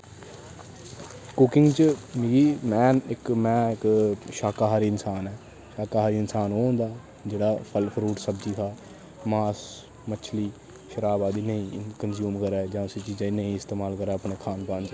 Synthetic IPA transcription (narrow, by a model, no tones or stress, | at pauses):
kʊkɪ̃ŋɡt͡ʃəmiːɡiːmɛːnɪkmɛ̃ːɪkʃaːkaːɦaːɾiːɪnsaːnɛː | ʃaːkaːɦaːɾiːɪnsaːnoːõːnd̪aː | d͡ʒeːɽaːpʰəlpʰɾuːʈsəbd͡ʒiːkʰaː | maːs | mət͡ʃʰliː | ʃəɾaːbaːd̪iːnəĩːkənzjuːmkəɾɛːd͡ʒãːʊsiːt͡ʃiːd͡ʒaːnəĩːɪst̪eːmaːlkəɾɛːəpɳeːkʰaːnpãːnd͡ʒ